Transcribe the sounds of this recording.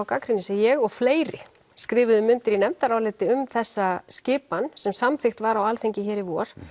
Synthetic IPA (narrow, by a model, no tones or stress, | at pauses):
awkakɾinɪsɛjɛɣɔɣfleːjɾɪ̰ | skɾɪːvɪðʏmːʏnt̪ɪɾinɛmt̪aɾaːwlɪːt̪ɪʏmθɛsːascɪːpansɛmsamθɪxt̪vaɾawalθeɲcɪçɛːɾivɔːɾ̥